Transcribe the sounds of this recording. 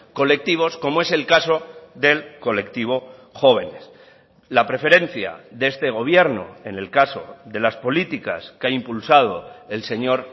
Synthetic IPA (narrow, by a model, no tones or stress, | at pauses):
ko̞le̞k̚t̪iβ̞o̞sko̞moe̞se̞lkaso̞ðe̞lko̞le̞k̚t̪iβ̞o̞xo̞β̞e̞ne̞s | lapɾe̞fe̞ɾe̞n̟θja̰ðee̞st̪e̞ɣ̞o̞β̞je̞ɾno̰e̞ne̞lkaso̞̰ðe̞laspo̞lit̪ika̰skeaimpulsað̞o̞e̞lse̞ɲo̞ɾ